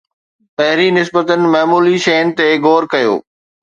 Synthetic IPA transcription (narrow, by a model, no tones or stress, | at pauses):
pɐɦɪɾinɪs̬bət̪ənɪ̆mɐɦmuːliʃɐjənɪ̆t̪eɡoːɾkɐjo̰ː